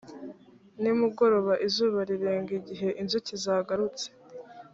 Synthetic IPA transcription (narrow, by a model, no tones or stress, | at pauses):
nimuɡo̞ɾo̞βaʔizuːβaɾiɾe̞ːŋɡiɟiɦe̞ʔinzucizaːɡaɾut͡se̥